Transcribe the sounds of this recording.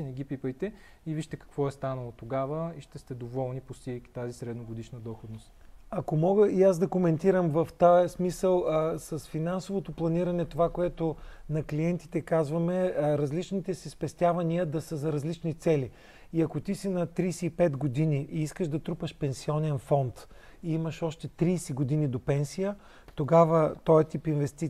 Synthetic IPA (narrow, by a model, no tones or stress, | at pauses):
ɛnɛɡʲipipəjt̪ɛ | iviʃt̪ɛkɐ̥kvɔɛst̪anəlˠot̪oɡavəiʃt̪ɛst̪ɛd̪ovɔlˠnipost̪iəjki̥t̪azisɾɛd̪noɡod̪iʃnəd̪ɔxod̪nost̪ɐkomɔɡəiazd̪ɐkomɛnt̪iɾəmvɐft̪ajsmisəlˠsɐsfinansovot̪oplˠɐniɾɐnɛt̪ovakoɛt̪onɐkliɛnt̪i̥t̪ɛkazvɐmɛɾɐzlit͡ʃnit̪ɛsispɛst̪ʲjavɐniəd̪ɐsəzɐɾɐzlit͡ʃnit̪sɛli | iɐkot̪isinɐt̪ɾiːsiːpɛd̪ɡod̪iniʔiiskəʃd̪ɐt̪ɾupəʃpɛnsiɔnɛnfɔnt̪ | iiməʃɔʃt̪ɛt̪ɾiːsɛɡod̪inid̪opɛnsijə | t̪oɡavət̪ɔjɛt̪ipinvɛst̪i